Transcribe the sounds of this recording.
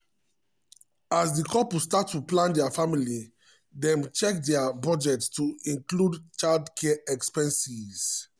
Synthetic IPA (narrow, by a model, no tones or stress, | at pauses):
azdikʰɔpstatːuplãndɛafamili | dɛ̃mt͡ʃɛkdɛabɔd͡ʒɛtstuĩŋkludt͡ʃaldkʰɛɛkspɛ̃nsiz̥